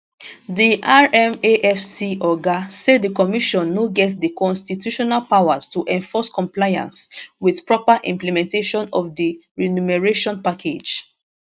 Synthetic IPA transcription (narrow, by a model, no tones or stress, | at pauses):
diʔaɹɛ̃meʔɛfsiʔɔɡased̚dəkɔmiʃɔ̃nːoɡɛtsdikɔ̃nstitjuʃɔnalpaʊwaz̥tuʔɛ̃ɱfɔskɔ̃mplajã̰nswiðpɹɔpaʔḭ̃mplɛmɛ̃nteʃɔ̃nɔ̰fdiɹinumɛɹeʃɔ̃npakʰed͡ʒ